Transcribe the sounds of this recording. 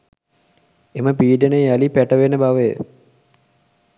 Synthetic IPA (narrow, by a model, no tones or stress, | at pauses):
eməpiːɖənealipæʈəʋenəbaʋəjə̰